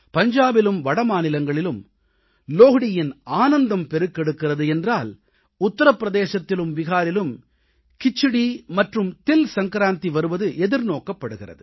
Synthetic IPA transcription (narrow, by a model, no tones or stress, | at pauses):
pɐɲd͡ʒaːbɪlɯmʋɐɽɐmaːnɪlɐŋɡɐɭɪlɯm | loːɣɪɽɪjɪnaːnɐnd̪ɐmpɛɾɯkːɛɽɯkːɪrɐðɯɛndraːl | ʊt̪ːɐɾɐpːɾɐðeːsɐt̪ːɪlɯmʋɪɣaːɾɪlɯm | kɪt͡ʃːɪɽimɐʈrɯmt̪ɪlsɐŋkɾaːnt̪iʋɐɾɯʋɐðɯʔɛðɪɾnoːkɐpːɐɽɯɣɪrɐ̰ðɯ